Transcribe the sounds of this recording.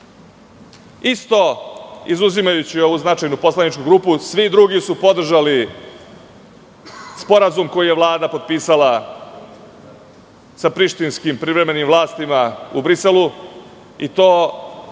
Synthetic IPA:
ist̪oizuzimajut͡ɕio̞ʋuznat͡ʃajnupo̞slanit͡ʃkuɡɾuːpusʋid̪ɾuɡisupo̞d̪r̩ʒali | spo̞ɾazumko̞jije̞ʋlˠaːd̪apo̞d̪̚piːsala | sapɾiʃt̪inskimpɾivɾe̞me̞nimʋvlˠaːst̪imaubɾiselu | it̪o̞ː

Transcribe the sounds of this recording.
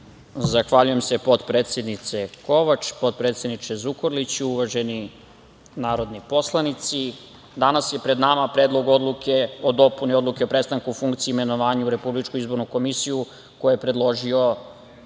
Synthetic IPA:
zaxʋaʎuje̞mse̞po̞t̪pɾe̞ːt̪sʲe̞d̪nit̪se̞ko̞ʋat͡ʃpo̞t̪̚pɾet̪sje̞d̪nit͡ʃezukoɾlit͡ɕuuʋaʒe̞ni | naːɾo̞d̪nipo̞slˠanit̪si | d̪anasje̞pɾe̞d̪namapɾed̪lˠo̞ɡo̞d̪lˠukeod̪o̞punio̞d̪luke̞o̞pɾe̞st̪aŋkufuŋkt̪siːme̞no̞ʋaːɲuuɾe̞publit͡ʃkuizbo̞ɾnuko̞misiju | ko̞jeepɾe̞d̪lˠo̞ʒio̞

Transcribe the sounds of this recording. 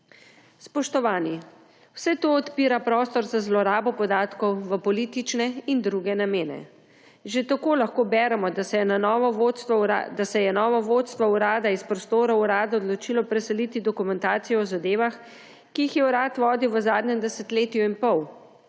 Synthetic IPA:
spɔʃt̪ɔʋaːni | w̥sɛt̪oːt̪piːɾapɾɔːst̪ɔɾzazlɔɾaːbɔpɔd̪aːt̪kɔwʋəpɔliːt̪it͡ʃnɛind̪ɾuɡɛnameːnɛ̰ | ʒet̪akoːlaxkoːbɛːɾɛmɔd̪asɛjɛnanɔːʋɔʋot̪st̪ʋɔɾad̪asɛjɛnɔːʋɔʋot̪st̪ʋɔuɾaːd̪aispɾɔst̪oːɾauɾaːd̪aɔd̪lɔt͡ʃilɔpɾɛsɛlit̪id̪ɔkumɛnt̪aːt̪sijɔɔzad̪eːʋax | kiixjɛuɾaːt̪ʋɔːd̪iwʋəzaːd̪ɲɛmd̪ɛsɛt̪leːt̪ijuinpɔw

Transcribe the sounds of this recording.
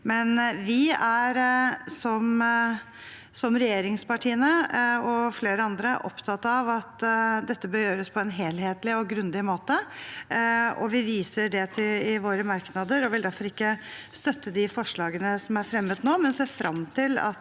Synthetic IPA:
mɛnʋɪæɾsɔm | sɔmɾɛjeːɾɪŋspɑʈʰiːənəɔfleːɾəɑnd̪ɾəʔɔpt̪ʰɑt̪ːɑʋɑt̪d̪ɛt̪ːəbøːɾjøːɾəspʰɔɛnɦeːlheːt̪lɪɔɡɾʉnd̪ɪmoːt̪ə | ɔ̰ʋɪʋiːsəɖɛt̪ʰɪlɪʋoːɾəmɑɾknɑd̪əɾɔʋɪld̪æɾfɔɾɪkːə | st̪œt̪ːəd̪ɪfɔʂɭɑːɡənəsɔmæɾfɾɛmːəd̪noːmɛnseːɾfɾʔɑ̰mt̪ʰɪlɑ̰t̪

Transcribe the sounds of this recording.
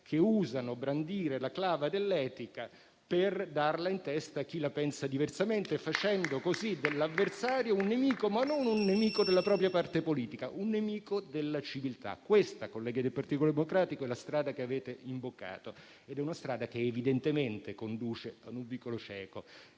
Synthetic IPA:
kʰeuːzanobɾand̪iːɾelaklaːvad̪elːɛːt̪ika | perd̪arlaint̪ɛst̪aːk̟ːilapɛnsad̪iversament̪efat͡ʃɛnd̪okozid̪elːavːersaːɾjounːemiːkomanːonunːemiːkod̪elːapɾɔːpɾjapart̪epoliːt̪ikaʔunːemiːkod̪elːat͡ʃivilt̪a̰kːwest̪akolːɛːɡad̪elpart̪it̪olod̪emokɾaːt̪ikoɛlast̪ɾaːd̪akeaveːt̪eʔimbokːa̰ːt̪o | ed̪ɛunast̪ɾaːd̪akeːvid̪ent̪ement̪ekond̪uːt͡ʃead̪uɱvikːolot͡ʃɛ̰ːko

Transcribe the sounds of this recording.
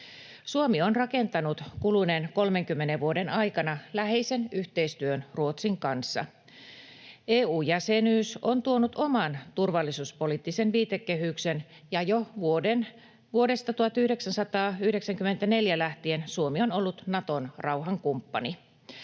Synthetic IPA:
suomionrɑke̞nt̪ɑnut̪kulunenko̞lmeŋkymːeneʋʋuo̞denɑjkɑnɑlæheise̞nyht̪e̞ist̪yønruot̪siŋkɑnsːɑ̰ | ʔeːuːjæsenyːsont̪uonut̪o̞mɑnt̪urʋɑlːisuːspoliːt̪ːisenʋiːt̪ekːehyksen | jɑjoʋuoden | ʋuode̞st̪ɑt̪uhɑt̪yhdeksænsɑt̪ɑːyhdeksæŋkyment̪æne̞ljælæht̪iensuomionolːut̪nɑt̪onrɑuɦɑŋkumpːɑ̰ni

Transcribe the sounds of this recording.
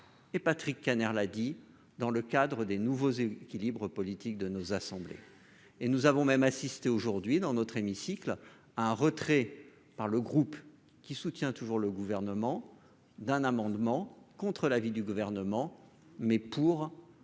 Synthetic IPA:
epat̪χikːanɛʁlad̪i | d̪ɑ̃ləkad̪ʁəd̪enuvozekʲilibʁəpɔlit̪ik̚d̪ənozasɑ̃blḛ | enuzavɔ̃mɛmasist̪eoʒuʁd̪ɥid̪ɑ̃nɔt̪χemisikl | aɛ̃ʁət̪χɛ | paʁləɡʁup | kʲisut̪jɛ̃t̪uʒuʁləɡuvɛʁnəmɑ̃ | d̪ɛ̃namɑ̃d̪mɑ̃kɔ̃t̪χəlavid̪yɡuvɛʁnəmɑ̃ | mɛpuʁ

